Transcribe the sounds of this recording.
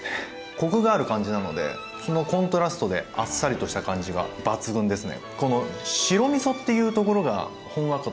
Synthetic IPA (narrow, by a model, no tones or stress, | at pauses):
kokɯ̟ɡaːɾɯ̟kãɲ̟d͡ʑinano̞d̪e̞̰ | so̞no̞kõ̞nt̪o̞ɾasɨ̥t̪o̞d̪e̞asːaɾʲit̪o̞ɕi̥t̪akãɲ̟d͡ʑiɡa̰b̥at͡sɨɡɯ̟̃nd̪e̞sɨne̞̰ko̞no̞ɕiɾo̞mʲiso̞t̪ːe̞jɯ̟ːt̪o̞ko̞ɾo̞ɡa̰ | hõ̞ɰ̃βakɯ